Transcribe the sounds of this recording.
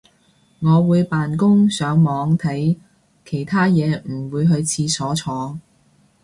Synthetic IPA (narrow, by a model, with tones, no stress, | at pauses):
ŋɔː˨˧wuː˨˧jpaː˨nkʊ˥ŋsœː˨˥ŋmɔː˨˧ŋt̪ʰɐ˨˥j | kʰe˨˩jt̪ʰaː˥jɛː˨˧m̩˨˩wuː˨˧jɦɵ˧ɥt͡sʰiː˧sɔː˨˥t͡sʰɔː˨˧ŋ